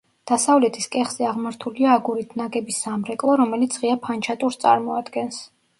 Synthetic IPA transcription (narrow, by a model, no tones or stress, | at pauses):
d̪̥asavlɛt̪ʰiskʼɛχz̥ɛaʁmaɾt̪ʰuliaːɡuɾit̪ʰnaɡɛbisːamɾɛkʼlˠɔɾɔmɛlit̪sʰʁiapʰant͡ʃʰat̪ʼuɾst̪sʼa̰ɾmɔad̪ɡɛns